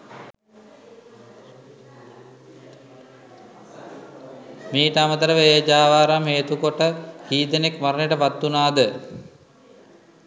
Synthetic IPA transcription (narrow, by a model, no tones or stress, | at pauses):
miːʈəamət̪əɾəʋeed͡ʒaːʋaːɾamɦeːt̪ukoʈəhiːd̪ənekmaɾəneʈəpat̪ːunaːd̪ə